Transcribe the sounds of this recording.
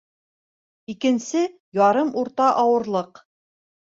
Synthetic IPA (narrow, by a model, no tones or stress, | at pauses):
ikɘ̆nsɘ | jɑɾɤmuɾt̪ɑʔɑwɤ̆ɾlˠɤq